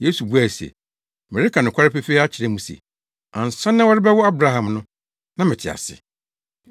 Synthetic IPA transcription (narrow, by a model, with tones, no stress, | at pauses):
je˦su˨bu˦æ˨sḛ˨ | mɛ˨ɾɪ˦kʰa˨nʊ̃˨kʷʰa˦ɾɪ˦pɛ˦fe˦a˦t͡ɕʰɪ˨ɾɛ˦mũ˦sɛ̰˨ | ã˨n̩˨sã˦nːã˦wɔ˦ɾɪ˦bɛ˦wɔ˦a˦bɾa˨˦ɦã˨mnʊ̃˦ | nã˦mɪ̃˨tʰɪ˨a̰˨sɪ̰˨